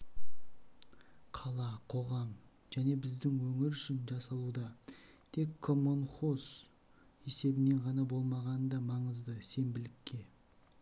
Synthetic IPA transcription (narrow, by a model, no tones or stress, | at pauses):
qʰɑlˠɑqʰo̞ʁɑm | ʒ̥æne̞bɪzd̪ɪŋwɵŋɪɾʏʃɪnʒɑsɑlˠud̪ɑt̪ʰe̞kʰːo̞mo̞nχo̞s | e̞se̞bɪne̞ɴʁɑnɑbo̞lˠmɑʁɑnəd̪ɑmɑɴəzd̪əse̞nbɪlɪkʲːe̞